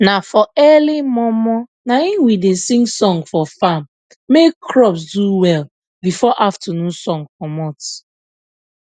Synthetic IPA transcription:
nafɔɛlimɔmɔ | nainwidesĩŋɡsɔ̃ŋɡfɔfamː | ekʰɹɔps̬duwɛl | bifɔʔaftanũnsɔ̃ŋkɔmɔt

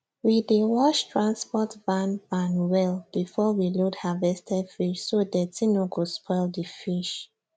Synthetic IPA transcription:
widewɔʃtʰɹãnspɔtbãnbãnwɛlb̥ifɔwiluthavɛstʰɛfiʃsodɛtʰinoɡɔspʰɔɪldifiʃ

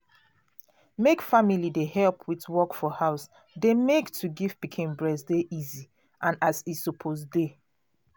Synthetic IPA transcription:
mekfamilidehɛlpʰwitwɔkfɔhaʊs | demektʰuɡifb̥ikʰẽmbɹɛsdeʔizi | ʔãnazisɔpʰosde

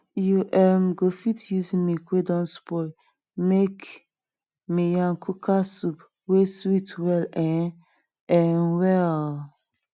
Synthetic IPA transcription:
juʔɛmɡofitjuzimikwedɔ̃nspɔj | mek | mijãnkʰukʰasup | weswitwɛlɛ̃n | ɛnwɛl

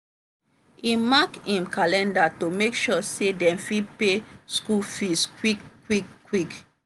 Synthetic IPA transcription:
imakĩmkalɛ̃ndatomekʃɔsedɛ̃mfipeskufiskwikːwikːwik

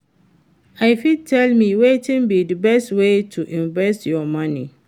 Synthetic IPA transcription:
aɪfid̚tʰɛlmĩwetĩnbidəbɛstwetʰuʔĩɱvɛstjɔmãnḭ

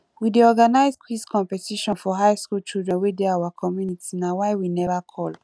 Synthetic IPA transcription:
wideɔɡanaɪzkʰwiskʰɔ̃mpɛtiʃɔ̃nfɔɦaɪskult͡ʃildɹɛ̃nwedeawakʰɔmjunitʰinawaɪwinɛvakʰɔl

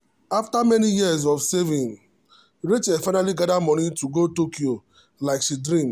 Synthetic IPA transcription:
aftamɛnijiəzɔfsevĩn | ɾit͡ʃefaɪnaliɡadamɔnituɡotokio | laɪkʃidɾĩm

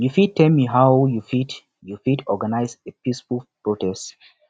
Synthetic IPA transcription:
jufid̚tʰːɛlmiɦaʊjufit | jufitʰɔɡanaɪzepisfufpɹotɛst

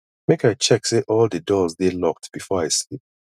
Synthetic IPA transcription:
mekaɪt͡ʃɛkseʔɔlˠdədɔzdelɔk̚tb̥ifɔaɪslip̚

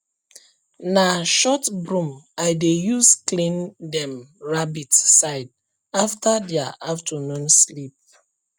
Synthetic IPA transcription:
naʃɔtbɹũmaɪdejusklĩndɛ̃mɹabitsaɪd | aftadɛaʔaftʰɔnɔ̃nslip̚

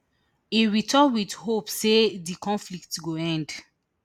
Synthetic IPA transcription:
iɹitʰɔwidhopsedikɔ̃nflik̚tɡoɛ̃nd

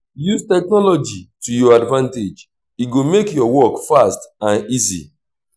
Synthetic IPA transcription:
juztɛknɔlɔd͡ʒitujɔadvãnted͡ʒ | iɡomekjɔwɔkfastãnizḭ

